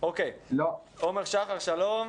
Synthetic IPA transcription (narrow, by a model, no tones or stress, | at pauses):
okejlo | omeʁʃaχaʁʃalom